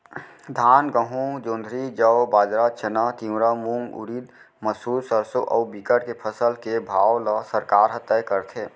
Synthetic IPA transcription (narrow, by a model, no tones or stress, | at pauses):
d̪ʱaːnɡəɦũd͡ʒõːnd̪ʱɾid͡ʒəobaːd͡ʒɾat͡ʃʰənat̪imɾamuŋɡʊ̰ɾiːd̪ | məsuːd̪səɾsoʔɔ̰ːbikəɽkepʰəsəlkebʱaːwləsəɾkaːɾɦət̪əjkəɾt̪ʰeː